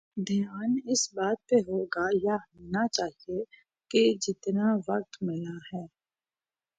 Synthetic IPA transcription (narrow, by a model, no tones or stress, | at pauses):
d̪ʱɪjaːnɪsbaːt̪̚peɦoːɡajaɦnat͡ʃaːɦie | ked͡ʒɪt̪naʋɐq̚t̪mɪlahɛː